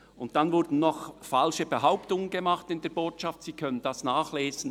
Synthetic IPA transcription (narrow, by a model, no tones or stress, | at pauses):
ʊntd̥anvʊɾd̥n̩nɔχfalʃəbəɦaʊptʊŋənɡəmɑχtɪndeːɐboːtʃɑftsiːkʰœnənd̥ɑsnaːχleːzən̩